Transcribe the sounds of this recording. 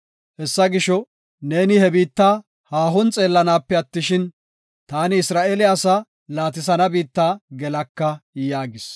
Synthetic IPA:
hɛsːɐɡɪʃɔ | ne̞ːnɪhɛbiːt̪ːaː | haːɦɔnt͡sʼe̞ːlːɐnaːpːɛɐt̪ːɪʃɪn | t̪aːnɪːsɾaːʔelɪasɐ | laːt̪̬ɪs̬ɐnɐbiːt̪ːaːɡɛlɐkːɐjaːɡɪs

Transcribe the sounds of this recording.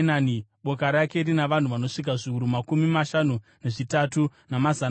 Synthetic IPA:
naːniɓo̞kaɾake̞iɾinaʋan̤uʋano̞ʂik̬aʐiuɾumakumimaʃanune̞ʐitatunamazan

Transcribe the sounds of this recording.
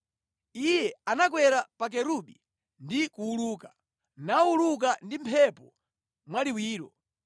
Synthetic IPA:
ijɛanak̬wɛɾapak̬ɛɾuɓi | ndikuːluːka | nauluk̬andimpʰɛpɔ | mwaliwiːɾɔ

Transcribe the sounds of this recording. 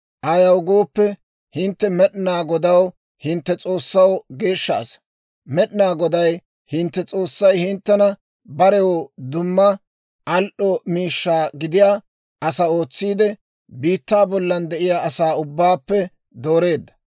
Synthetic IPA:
ʔɐjɐwɡoːpːɛ | hɪnt̪ːɛmɛɗnaːɡɔd̪ɐw | hɪnt̪ːɛt͡sʼo̞ːsːɐwɡe̞ːʃːa̰ːs | mɛɗnaːɡɔd̪ɐj | hɪnt̪ːɛt͡sʼo̞ːsːɐjhɪnt̪ːɛnɐ | bɐɾɛwɔd̪ʊmːɐ | ɐlʔɔmiːʃːaːɡɪd̪ɪjaː | ʔɐsɐo̞ːt͡sːiːd̪ɛ | biːt̪ːaːbɔlːɐnd̪ɛʔɪjaːʔɐsaːʊbːaːpːɛ | d̪oːɾe̞ːd̪ːɐ̥

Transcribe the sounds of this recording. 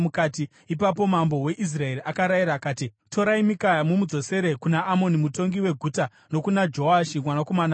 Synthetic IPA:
mukati | ipap̬o̞mambo̞we̞ʔis̬rae̞ɾiakaɾajiɾaːkaːtitʰo̞ɾaimikajamumud͡zo̞se̞ɾe̞kunaʔːmo̞nimuto̞ŋɡiwe̞ɡʱuːta | no̞kunad͡ʒo̞aʃimwanako̞mana

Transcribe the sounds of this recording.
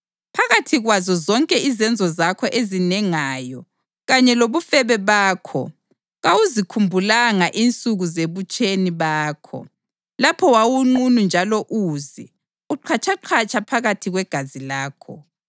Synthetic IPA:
pʰaɣatʰiɣwazɔzɔŋkʼɛizɛnd͡zʱɔzakʰɔʔezinɛŋaːjɔ | ɣaɲɛloβufɛβɛβaːkʰɔ̰ | ɣawuzikʰumbʱulaŋaʔint͡sʼuɣuzeβut͡ʃʼeniβaːkʰɔ̰ | lapʰɔwawuŋ͡ǃunund͡ʒʱalɔʔuːzi | uǃʰat͡ʃʰaǃʰat͡ʃʼʰapʰaɣatʰiɣwɛɡ̥ʱazilaːkʰɔ̰

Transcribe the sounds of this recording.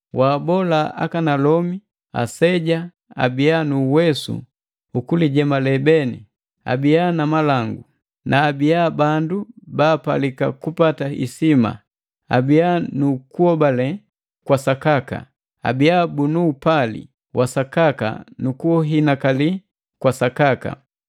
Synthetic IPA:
waːbɔlaa̰kanalɔmi | a̰sɛɟa | a̰bianuːwɛsṵ | ukuliɟɛmalɛbɛnḭ | a̰bijanamalaŋɡu | nʔaːbijabandubaːpalika̰kupataḭsima̰ | a̰bijanukuɔbalɛ | kwasakaka̰ | a̰bijabunuːpalḭ | wʔasakaka̰nukuɦinakali | kwasakaka̰

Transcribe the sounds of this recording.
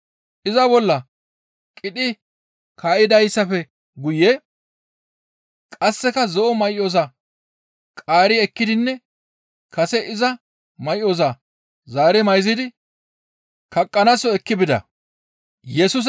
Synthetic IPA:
ʔɪzɐbɔlːɐ | kʼɪᶑɪ | kʰaːʔɪd̪ɐjsːɐfɛ | ɡʊjːɛ | kʼɐsːɛkɐzɔʔɔmɐjʔːoːs̬ɐ | kʼaːɾɪɛkːɪd̪ɪnːɛ | kɐsɛʔɪzɐ | mɐjʔo̞ːs̬ɐ | zaːɾɛmɐjzɪd̪ɪ | kɐkʼːɐnɐsɔɛkːɪbɪd̪ɐ̰ | jɛsʊs̬

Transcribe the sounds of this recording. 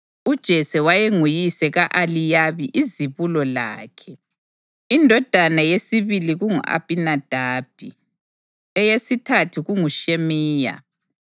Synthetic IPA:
ud̥ʒ̥ʱɛsɛwajeŋujisɛɣaʔalijaβiʔiziβulɔla̰ːkʰɛ | indʱɔd̥ʱanajesiβiliɣuŋṵʔa̰pʼinad̥ʱaːb̥̚ʱi | ɛjesitʰatʰuɣuŋuʃemiːja̰

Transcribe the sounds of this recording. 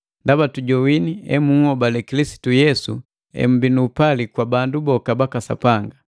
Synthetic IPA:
ndabatuɟɔwiniɛ̰muhɔbalɛkilisi̥tujɛsu | ɛ̰m̩binuːpalikwabandubɔkabakasa̰paŋɡa

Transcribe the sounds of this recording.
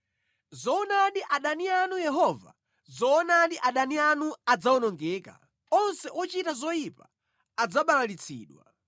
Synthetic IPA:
zɔɔnaɗiʔaɗanianujɛɦɔva̰ | zɔːnaɗiʔaɗanianuad͡zaɔnɔŋɡɛːka̰ | ɔnsɛʔɔt͡ʃitazɔjipa | ad͡zaɓalalit͡sʰḭːɗwa̰

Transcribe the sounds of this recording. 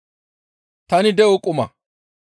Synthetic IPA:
t̪ɐnɪd̪ɛʔɔkʼʊmɐ̰

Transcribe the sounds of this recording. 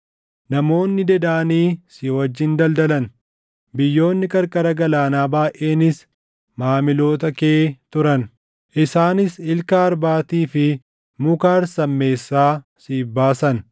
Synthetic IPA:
nɐmo̞ːnːɪd̪ɛd̪aːniːsɪwɐd͡ʒːɪnd̪ɐld̪ɐlɐn | bɪjːo̞ːnːɪkʼɐɾkʼɐɾɐɡɐlaːnaːbaːʔe̞ːnɪs | maːmɪlo̞ːt̪ɐkeːt̪ʊɾɐn | ʔɪsaːnɪsɪlkɐːɾbaːt̪iːfɪ | mʊkaːɾsɐmːe̞ːsːaː | siːfbaːsɐn

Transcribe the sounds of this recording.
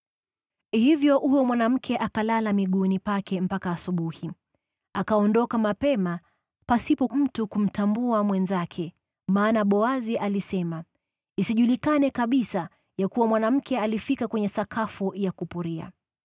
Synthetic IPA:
hivjɔhujɔmwanam̩kʰɛʔakalalamiɠunipakɛm̩pakaːsuɓuhi | akaɔndɔkamapɛma | pasipɔm̩tukum̩tambuamwɛnzakʰɛ | maːnaɓɔaziʔalisɛma | isiʄulikanɛkaɓisa | jakuwamwanam̩kɛalifikakwɛɲɛsakʰafujakupuɾia̰

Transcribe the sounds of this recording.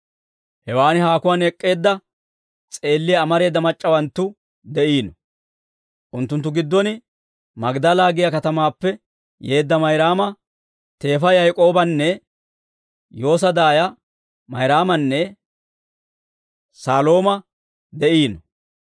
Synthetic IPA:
hɛwaːnɪɦaːkʊwaːnɛkʼːe̞ːd̪ːɐ | t͡sʼe̞ːlːɪjːmɐɾe̞ːd̪ːɐmɐt͡ʃʼːɐwɐnt̪ːʊ | d̪ɛʔiːnɔ | ʔʊnt̪ːʊnt̪ːʊɡɪd̪ːɔnɪ | mɐɡd̪ɐlaːɡɪjɐkɐt̪ɐmaːpːɛ | jeːd̪ːɐmɐjɾaːmɐ | t̪e̞ːfɐjɐjkʼo̞ːbɐnːɛ | jo̞ːs̬ɐd̪aːjɐ | mɐjɾaːmɐnːɛ | saːlo̞ːmɐ | d̪ɛʔiːnɔ

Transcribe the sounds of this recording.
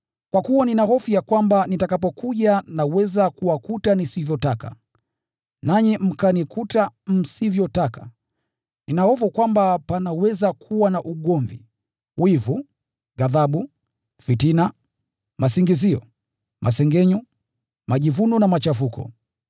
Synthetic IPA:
kwakuwaninahɔfujakwambanitakapɔkuʄanawɛzakuwakutanisivjɔtaka̰ | naɲim̩kanikʰutam̩sivjɔtaka | ninahɔfukwambapanawɛzakʰuwanaʔuɠɔɱvḭ | wivu | ɡaðaɓu | fitina | masiŋɡiziɔ̰ | mʔasɛŋɡɛɲɔ | maʄivunɔnamat͡ʃafukɔ̰

